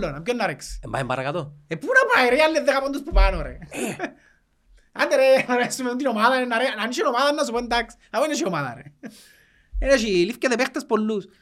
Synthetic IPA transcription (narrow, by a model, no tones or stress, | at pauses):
lːonamkonːaɾeksemba̰emba̰ɾkat̪oepːunapaeɾealːeðːexapont̪uspupanoɾḛ | and̪eɾenaɾesumeunt̪inomaðaenːaɾenaniʃenomaðanːas̬upont̪aks | aweneʃiomaða̰ɾḛ | eneʃilifkaðepɛχt̪aspolːus